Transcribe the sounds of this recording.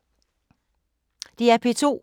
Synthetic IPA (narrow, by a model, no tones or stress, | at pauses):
d̥iæɐpʰe̝t͡sʰo̝̰ː